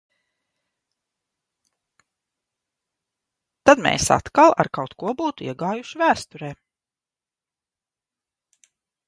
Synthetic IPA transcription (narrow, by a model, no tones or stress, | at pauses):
t̪ad̪mḛːsa̰t̪kalˠa̰ɾkawt̪kuɔbuːt̪uiɛɡaːjuʃivæːst̪uɾɛː